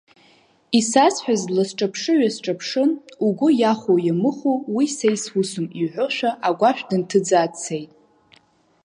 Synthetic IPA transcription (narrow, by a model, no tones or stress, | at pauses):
isasħʷᶣazlasʈ͡ʂʼapʰʂɨɥasʈ͡ʂʼapʰʂɨnuɡʷʊjaχojamɨχowisejswusʊmiɥħʷʊʃʷᶣaʔaɡʷaʃᶣdɨntʰɨd͡zaːt͡sʰːejtʼ